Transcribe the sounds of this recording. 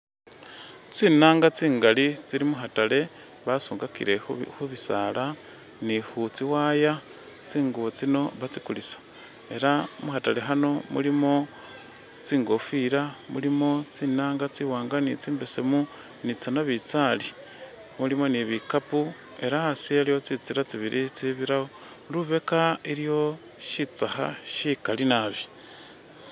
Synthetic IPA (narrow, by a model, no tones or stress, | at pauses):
t͡siːnaːŋɡat͡siːŋɡalit͡siɾimuɦatale̞ | βasuːŋɡakḭɾexuβisala | nihut͡siwaːja | t͡siːŋɡuβot͡sino̞βat͡sikulisḁ | e̞ɾamuxatale̞ɦano̞mṵlimo̞ | t͡siːŋɡo̞fiɾamulimo̞t͡siːnaːŋɡat͡siwaːŋɡanit͡siːmbese̞mu | nit͡sanaβit͡sali | mulimo̞niβikapu | e̞ɾaasielijo̞t͡sit͡siɾat͡siβiɾit͡siβiɾaho | luβe̞kaiɾjo̞ | ʃit͡saha̰ʃikalinaβi